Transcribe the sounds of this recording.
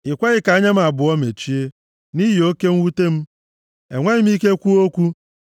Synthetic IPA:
ɪ˨kʷa˦ɣɪ˦ka˨˦ɲa˦m̩˦a˨bʊ˨ɔ˦me˨t͡ʃi˦e˦ | ni˦ɦi˨o˦ke˦ŋ̩˦wu˦te˦m̩˦ | e˨ŋʷe˦ɲɪ˦m˦i˦ke˦kʷu˦o˦kʷu˦

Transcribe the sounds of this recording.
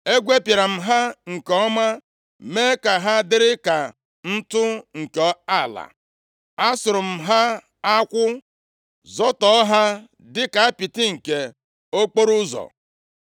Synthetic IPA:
e˦ɡʷe˦pja˨ɾa˨m̩˨ɦa˦ŋ̩˨kɔ˦ma˦ | me˦ka˨ɦa˦dɪ˦ɾɪ˦ka˨ | n̩˦tʊ˦ŋ̩˨kɔ˦a˦˨la̰˨ | a˦sʊ˨ɾʊ˨m̩˨ɦa˦ | a˦kʷʊ˦ | zɔ˦tɔ˦ɦa˦ | dɪ˦ka˨a˦pi˨tɪ˦ŋ̩˨ke˨ | o˦k͡po˦ɾʊ˦zɔ̰˨

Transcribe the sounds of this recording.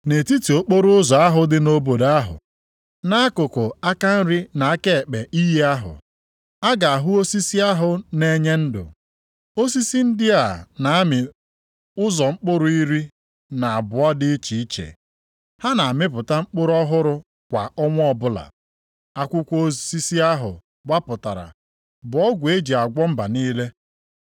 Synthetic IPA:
ne˨ti˦ti˨o˦k͡po˦ɾʊ˦ʊ˦zɔ˨a˦ɦʊ˦dɪ˦no˦bo˨da˦ɦʊ̰˨ | na˦a˦kʊ˨kʊ˨a˦ka˦n̩˦ɾi˦na˨a˦ke˦˨k͡pe˨ʔi˦ɦi˦a˦ɦʊ̰˨ | a˦ɡa˨a˨ɦʊ˦o˦si˦si˦a˦ɦʊ˨ne˦ɲe˦n̩˦dʊ̰˨ | o˦si˦si˦n̩˦dɪ˦a˨na˨a˦mɪ˨ | ʊ˦zɔ˨ŋ͡m̩˦k͡pʊ˦ɾʊ˦i˦ɾi˦ | na˨a˨bʊ˨ɔ˦dɪ˦i˦t͡ʃi˨i˦t͡ʃḛ˨ | ha˦na˨a˨mɪ˦p̬ʊ˨ta˦ŋ͡m̩˦k͡pʊ˦ɾʊ˦ɔ˦ɦʊ˦ɾʊ˦ | kʷa˨ɔ˦ŋʷ˦ɔ˦bʊ˦la̰˨ | a˦kʷʊ˦kʷo˦si˦si˦a˦ɦʊ̰˨ | ɡ͡ba˦pʊ˨ta̰˨ɾa̰˨ | bʊ˨ɔ˦ɡʷe˦d͡ʒi˨a˨ɡʷɔ˦m̩˦ba˨niː˦le˦

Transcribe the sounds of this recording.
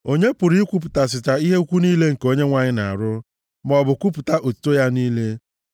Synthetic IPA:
o˦ɲe˦pʊ˨ɾi˦kʷu˦p̬ʊ˨ta˨s̬ɪ˨t͡ʃa˨i˦ɦe˦u˦kʷu˦niː˦le˦ŋ̩˨ko˦ɲe˦ŋʷa˨ɲɪ˦na˨a˨ɾʊ˦ | mɔ˨bʊ˨kʷu˦p̬ʊ˨ta˦ʔo˨tu̥˦to˦ja˦niː˦le˦

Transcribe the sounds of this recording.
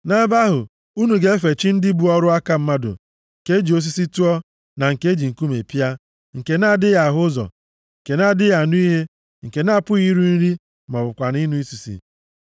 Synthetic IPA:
na˦ba˦ɦʊ˨ | u˦nu˨ɡe˦e˦fe˨t͡ʃi˦n̩˦dɪ˦bu˨ɔ˦ɾʊ˦a˦ka˦m̩˦ma˦dʊ̰˨ | ŋ̩˨ke˦d͡ʒi˨o˦s̬i˦si˦tu˦ɔ˦ | na˨ŋ̩˨ke˦d͡ʒi˨ŋ̩˨ku˦me˨pi˦a˦ | ŋ̩˨ke˨na˦˨dɪ˦ja˨ɦʊ˦zɔ̰˨ | ŋ̩˨ke˨na˦˨dɪ˦ja˨nu˦i˦ɦe˦ | ŋ̩˨ke˨na˦˨pʊ˦i˦ɾu˦n̩˦ɾi˦ | mɔ˨bʊ˨kʷa˨ni˦nu˦i˦si˨sḭ˨

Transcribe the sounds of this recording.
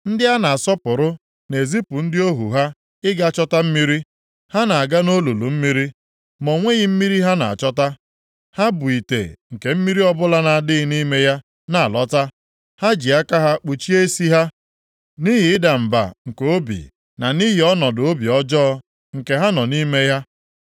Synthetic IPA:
n̩˦dɪ˦a˦na˨a˨sɔ˦pʊ˨ɾʊ˦ | ne˨zi˦pʊ˨n̩˦dɪ˦o˦ɦṵ˨ɦa˦ | ɪ˦ɡa˦˨t͡ʃɔ˦ta˦m̩˦mi˦ɾi˦ | ha˦na˨a˨ɡa˦no˦lu˨lu˨m̩˦mi˦ɾi˦ | mo˨ŋʷe˦ɣɪ˦m̩˦mi˦ɾi˦ɦa˦na̰˨a̰˨t͡ʃɔ˦ta˦ | ha˦bʊ˨i˨tḛ˨ŋ̩˨ke˨m̩˦mi˦ɾi˦ɔ˦bʊ˦la˦na˨a˨dɪ˦ɣɪ˦ni˦me˦ja˦ | na˨a˨lɔ˦ta˦ | ha˦d͡ʒi˨a˦ka˦ɦa˦k͡pu˨t͡ʃi˦e˦si˦ɦa˦ | ni˦ɦi˨ɪ˦da˨m̩˨ba̰˨ŋ̩˨ko˨o˦bḭ˨ | na˨ni˦ɦi˨ɔ˦nɔ˨dʊ˨o˦bi˨ɔ˦d͡ʒɔ˦ | ŋ̩˨ke˨ɦa˦nɔ˨ni˦me˦ja˦

